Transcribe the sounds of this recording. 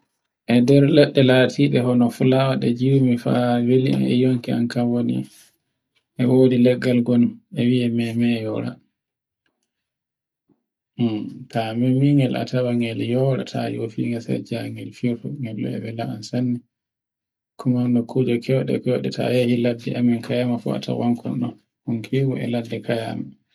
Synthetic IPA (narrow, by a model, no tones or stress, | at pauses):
ʔɛdɛɾlɛɗːɛlaːtʰiɗɛɦɔnɔfulawaɗɛd͡ʒiwmifawelia̰nɛ̰joŋkia̰nkawonḭ | ʔɛwoːdilɛɡːalɡɔnɛwiɛmɛmɛjɔɾa̰ | tamɛmiŋɡɛlʔa̰tʰawaŋɛljɔɾa̰tʰajofiŋasa̰d͡ʒaŋɛlfiɔfɔŋɡɛlːɔ̰ɛ̰bɛlaansanːi | kʰumanɔkʰud͡ʒɔkʰɛwɗɛ̰kɛwɗɛta̰jahiladːɛ̰ʔamɛnkʰajamafɔ̰a̰tʰa̰waŋkʰɔ̰nɔ̰ | huŋkʰiwuɛ̰ladːɛkaja̰ma